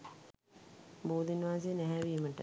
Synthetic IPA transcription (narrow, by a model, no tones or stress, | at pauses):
buːd̪inʋaːs̬enæɦæʋiːməʈə